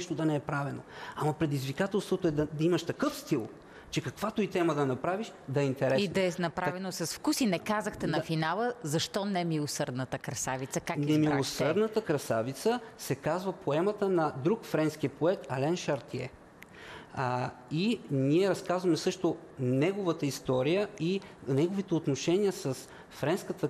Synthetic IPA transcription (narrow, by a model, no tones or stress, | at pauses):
ɛʃt̪od̪ɐnɛɛpɾavɛno̰amɐpɾɛd̪izvikat̪ɛlˠst̪vot̪oɛd̪ɐd̪ɐimɐʃt̪ɐkɤfst̪ilˠ | t͡ʃɛkɐkvat̪ʊit̪ɛməd̪ɐnɐpɾaviʃd̪ɐɛint̪ɛɾɛid̪ɐɛnɐpɾavɛnosɐsfkusinɛkazəxt̪ɛnɐfinalˠəzɐʃt̪ɔnɛmilˠosɤɾd̪nət̪əkɾɐsavit̪səkaknɛmilˠosəɾd̪nət̪əkɾɐsavit̪səsɛkazvəpʰoɛmət̪ənɐd̪ɾukfɾɛnsk̟iəpoɛt̪ɐlɛnʃɐɾt̪iɛ̰ | iniɛɾɐskazvəmɛsɤʃt̪onɛɡovət̪əist̪ɔɾijəinɛɡovit̪ɛot̪noʃɛniəsɐs | fɾɛnskət̪ə